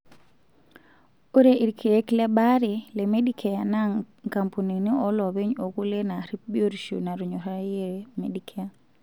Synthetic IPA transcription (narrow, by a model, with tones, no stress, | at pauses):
o˦ɾeʔi˨ɾkʰe˨e˦klɛ˦ɓa˦ɾi˨le˨me˦ɗi˦kʰɛ˨a˨na˦ | ŋka˨mpu˨ni˨ni˦ɔ˦lɔ˨βe˦ɲo˨ku˦le˦na˨ɾi˦p̚bi˦o˦ɾʃṵ˨na˨ɾu˨ɲɔ˨ɾa˦je˦mḛ˨dikʰɛ˦a˨